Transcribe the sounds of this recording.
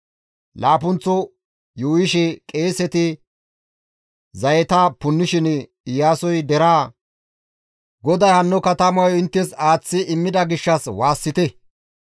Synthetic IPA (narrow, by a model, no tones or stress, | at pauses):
laːp̬ʊnt͡sːɔ | juːɪʃɛkʼe̞ːsɛt̪ɪ | zɐjɛt̪apʊnːɪʃɪn | ɪjaːsɔjd̪ɛɾaː | ɡɔd̪ɐjhɐnːɔkɐt̪ɐmɐwɔɪnt̪ːɛsaːt͡sːɪʔɪmːɪd̪ɐɡɪʃːɐswaːsːɪt̪ɛ